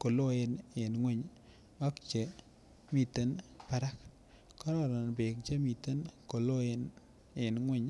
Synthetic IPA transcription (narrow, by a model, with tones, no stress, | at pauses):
ko˨lo˦e˨ne˨nŋwe˦ɲ | a˦k̚t͡ʃe˨ | mi˦˨te˦npa˨ɾa˦k̚ | kɔ˦ɾɔ˨ɾa˨nbe˨k̚t͡ʃe˦mi˨te˦nko˨lo˦en | e˨nŋwɛ˦ɲ